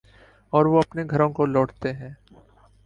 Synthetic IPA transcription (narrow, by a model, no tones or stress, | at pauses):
ɔːɾʋoɐpneɡʱɐɾõkolɔːɽt̪eɦɛ̃ː